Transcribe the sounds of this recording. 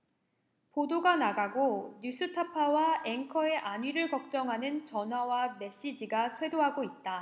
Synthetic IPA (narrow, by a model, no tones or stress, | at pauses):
podoɡanaɡaɡoɲus͈ʰɯtʰapʰawae̞ŋkʰʌe̞ʔaɲɥiɾɯɭkʌk̚t͡ɕ͈ʌŋɦanɯnt͡ɕʌnɦwawame̞ɕ͈id͡ʑiɡasʰwe̞doɦaɡoit̚t͈a